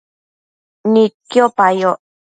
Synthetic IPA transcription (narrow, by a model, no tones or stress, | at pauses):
nit̪̚kiopajo